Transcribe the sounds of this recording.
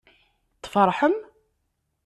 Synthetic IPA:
t̪ˤːfəɾˤħəm

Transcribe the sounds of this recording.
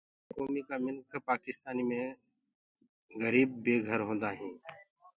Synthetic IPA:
koːmiːkaːmɪlkʰpaːkɪst̪aːniːmẽː | ɣəɾiːbːeːɡʱəɾɦõːnd̪aːɦĩː

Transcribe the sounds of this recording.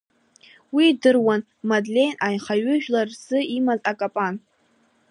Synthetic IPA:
widɨrwan | madlʲe̞jnʔajχaɥʏʒᶣlarzɨimazakʼapʼan

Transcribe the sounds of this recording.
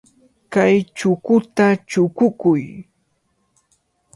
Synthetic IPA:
kajt͡ʃʊkʊt̪at͡ʃʊkʊkʊj

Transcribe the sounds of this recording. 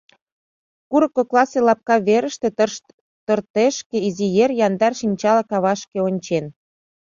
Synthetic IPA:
kuɾəkːoklɑselɑp̚kɑβeɾəʃt̪ĕ | t̪ə̆rt̪eʃkĕizijerjɑnd̪ɑrʃinʲt͡ɕɑlɑkɑβɑʃkĕonʲt͡ɕen

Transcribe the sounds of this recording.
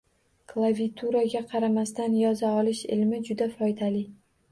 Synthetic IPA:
kʰlˠavʲit̪ʰuɾaɡʲaqʰɑɾamast̪anjɒzaɒlɪʃɪ̰lmɪd͡ʒʊd̪afɒjd̪alɪ

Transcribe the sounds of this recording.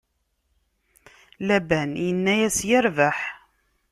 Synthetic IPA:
læbænjənːæjæsjəɾvaħ

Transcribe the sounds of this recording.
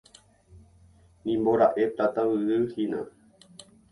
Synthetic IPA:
nĩmboɾaʔe̞p̚t̪at̪awɨɾɨhinã̰

